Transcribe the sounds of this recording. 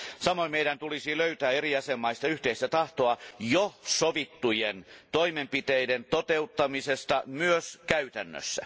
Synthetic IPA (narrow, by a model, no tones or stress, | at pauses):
sɑmoimeiɾænt̪ulisiløyt̪æːeriɑsemːɑist̪ɑyht̪eist̪æt̪ɑht̪oɑjosoʋit̪ːujent̪oimempit̪eident̪ot̪eut̪ːɑmisest̪ɑmyøskæyt̪ænːø̰sːæ̰